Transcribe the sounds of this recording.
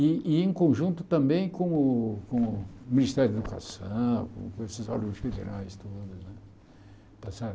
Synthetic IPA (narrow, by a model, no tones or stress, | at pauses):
iiẽŋkõʒũnt̪ʊ̥t̪ɐ̃mbẽj̃kõʊkõmĩnist̪ɛɾjd̪ed̪uka̰sɐ̃kõ̰kõesɐszɔ̰luʊsfed̪ḛɾʔajst̪od̪ɐsnɛ | t̪asa